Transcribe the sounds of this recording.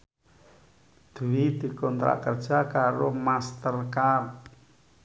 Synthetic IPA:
d̪̥uwid̪̥i̤kɔnt̪ɾa̰kərd̥ʒ̥a̤kaɾomast̪ərkar

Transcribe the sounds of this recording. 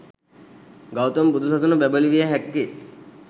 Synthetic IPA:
ɡawt̪ombud̪ʱusɐt̪unubɛbəliʋijəɦɛkːi

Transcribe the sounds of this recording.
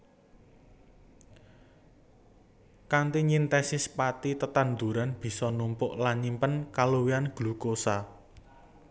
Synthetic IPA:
kant̪iɲint̪ɛsɪspat̪it̪ət̪and̪ṳɾanb̥i̤sɔnumpʊʔlaɲimpənkaluwianɡ̥lukosa

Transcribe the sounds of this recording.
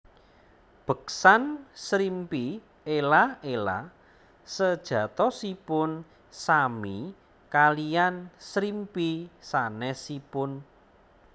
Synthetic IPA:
b̥ə̤ksansɾimpi | elaela̰ | səd̥ʒ̥ä̤t̪ɔsipʊn | sami | kalijansɾimpisanɛsipʊn

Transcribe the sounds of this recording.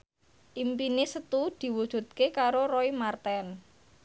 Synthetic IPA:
ʔimpinɪsət̪ud̪̥i̤wud̥ʒ̥ṳt̪̚kekaɾoɾoimart̪ɛn

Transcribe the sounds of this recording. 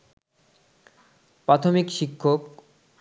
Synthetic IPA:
pɾat̪ʰomikʃikʰːok

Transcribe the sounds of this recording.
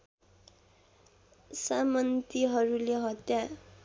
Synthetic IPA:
samʌnt̪iɦʌɾuleɦʌt̪ja

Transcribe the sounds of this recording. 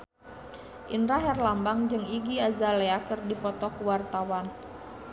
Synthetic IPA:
ʔinɾaɦɛrlambaŋd͡ʒɨŋiɡiazalɛakərdipɔt̪ɔkuwart̪awan

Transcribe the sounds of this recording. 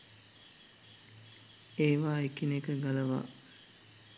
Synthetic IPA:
eːʋaːekinekəɡalɐʋa̰ː

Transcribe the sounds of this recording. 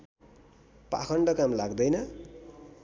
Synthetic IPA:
pa̰kʰʌɳɖʌkamlaɡd̪ʌjnʌ

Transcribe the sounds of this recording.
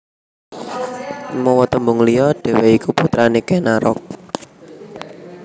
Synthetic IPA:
mɔwɔt̪əmbuŋlijɔɖ̥e̤weikuput̪ɾanikenaɾɔ̰k̚

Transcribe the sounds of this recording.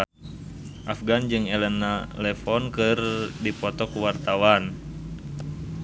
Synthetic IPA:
ʔafɡand͡ʒɨŋɛlɛnːalɛfɔnkɨrdipɔt̪ɔkuwart̪awan

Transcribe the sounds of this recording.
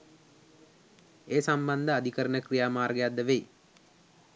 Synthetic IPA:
eːsamband̪əad̪ikəɾənəkrijaːmaːrɡəjad̪ːəʋej

